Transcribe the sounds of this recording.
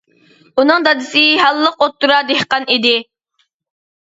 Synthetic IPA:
unɨŋd̪ɑd̪ɨsɪɦɑlˠːəqot̪ːuɾɑd̪ehqɑnid̪ɪ

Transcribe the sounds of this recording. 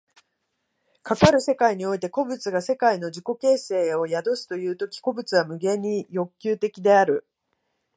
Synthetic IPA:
kakaɾɯ̟se̞kaiɲ̟io̞it̪e̞ko̞bɯ̟t͡sɨɡase̞kaino̞ʑiko̞ke̞ːse̞ːo̞jad̪o̞sɨ̥t̪o̞jɯ̟ːt̪o̞kʲi̥ko̞bɯ̟t͡sɨβamɯ̟ɡe̞ɲ̟ijo̞kʲːɨːt̪e̞kʲid̪e̞aɾɯ̟

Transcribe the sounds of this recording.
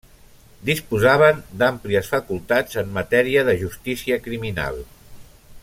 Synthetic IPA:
d̪ispuzaβ̞ənd̪ampliəsfəkulˠt̪ad͡zəmːət̪ɛɾiəðəʒust̪isiəkɾimina̰lˠ

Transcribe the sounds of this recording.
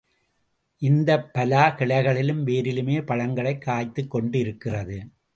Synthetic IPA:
ʔɪnd̪ɐpːɐlaːkɪɭɐɪɣɐɭɪlɯmʋeːɾɪlɯmeːpɐɻɐŋɡɐɭɐɪkːaːjt̪ːɯkːɔɳɖɪɾɯkːɪrɐðɯ

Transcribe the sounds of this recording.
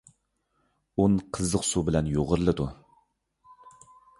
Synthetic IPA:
unqʰəzːəqsubɪlɛnjoʁəɾlˠɨd̪u

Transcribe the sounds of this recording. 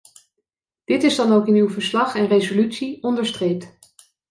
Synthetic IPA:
d̥ɪtɪzdɑnowkɪnywvəɹslɑχɛnrezolytsiɔndəɹstrejp̚t

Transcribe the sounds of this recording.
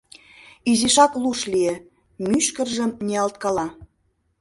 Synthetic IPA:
iziʃɑkluʃliĕ | myʃkə̆rʒə̆mnʲeɑlt̪̚kɑlɑ

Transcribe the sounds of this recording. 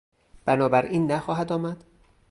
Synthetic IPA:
b̥ænɒːbæɾʔiːnːæxɒːɦæd̪ɒːmæd̪̥

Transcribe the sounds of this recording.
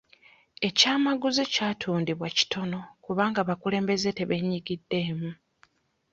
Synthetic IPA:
e̞caːmaɡuzicaːtʰuːndiβwaci̥tʰo̞no̞kuβaːŋɡaːβakule̞ːmbe̞ze̞te̞βe̞ɲiɡidːe̞ːmu

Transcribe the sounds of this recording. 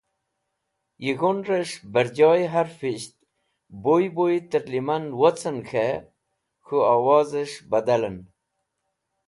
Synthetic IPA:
jiɣonɾəʂbəɾd͡ʑɑjɦaɾfiɕt̪̚ | bojbojit̪əɾlimanwot͡sənxʰe | xuawɑzəʂbad̪alən

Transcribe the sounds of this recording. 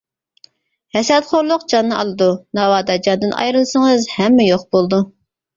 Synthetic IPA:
hɛsɛt̪χʰoɾlˠʊqd͡ʒɑnːɨʔɑlˠɨd̪unɑwɑːd̪ɑd͡ʒɑnd̪ɨnʔɑ̰jɾɨlˠsəŋəzhɛmːɛjoqbolˠd̪u

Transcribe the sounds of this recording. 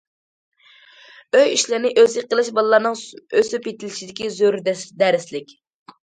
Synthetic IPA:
øjiʃlɪɾnɪʔøzɪqəlˠɨʃbɑlˠɨlːˠɑɾnɨŋøsypjet̪ʰɪlt͡ʃid̪ɪkʲizøɾd̪ɛd̪æɾɪslɪkʲ

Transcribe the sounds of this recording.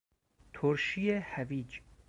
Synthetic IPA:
t̪ʰoɾʃiehæviːd͡ʒ

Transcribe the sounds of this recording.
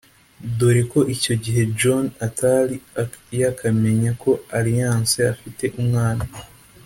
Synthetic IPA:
doɾiko̞ʔico̞ɟiɦe̞d͡ʒonatalijakʰame̞ɲakʰo̞aɾijãːnseafite̞ʔumŋaːna

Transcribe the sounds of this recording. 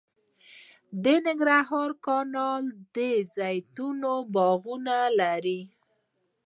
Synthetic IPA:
d̪ənɪŋɡɾaɦɑɾkɑnɑld̪əzajt̪unobɑɣunalaɾi

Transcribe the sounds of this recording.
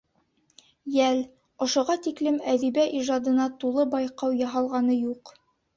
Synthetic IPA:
jæl | ŏʃŏʁɑt̪iklɘmæðibæʔiʒɑd̪ɤ̆nɑt̪ulˠɤbɑjqɑwjɑɦɑlˠʁɑnɤjuq

